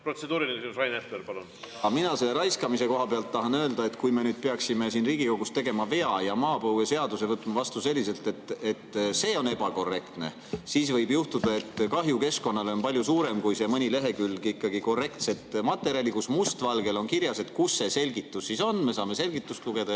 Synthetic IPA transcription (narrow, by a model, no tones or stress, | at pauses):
prot̪sed̪uːɾilinekesimusvɑjnefleɾpɑlun | ɑminɑse̞lːeɾɑjskɑmise̞ko̞ɦɑpeɑlt̪ːɑɦɑnøːld̪ɑe̞t̪kujme̞nyːd̪̥̚pe̞ɑksime̞siːnriːɡ̥iko̞ɡ̥ust̪e̞ɡe̞mɑve̞ɑjɑmɑːpɤwese̞ɑd̪use̞vɤt̪ːˑmɑvɑst̪use̞lʲːise̞lt̪e̞t̪ːˑet̪ːse̞ːo̞ne̞b̥ɑko̞rːe̞kt̪ne̞̰ | siːsvɤjbjuht̪ud̪̥ɑe̞t̪ːkɑɦjuke̞sko̞nːɑle̞onpɑlʲjusuːɾe̞mkujse̞mɤnʲile̞ɦe̞kylːɡiikːɑɡ̥iko̞re̞kt̪se̞t̪ˑmɑt̪ːˑe̞ɾiɑlikusmust̪vɑlɡe̞lo̞nkiɾjɑse̞t̪kusːe̞se̞lɡ̥it̪ːˑusːiso̞nːme̞sɑːme̞se̞lɡ̥it̪ːˑust̪luɡ̥e̞d̪ɑ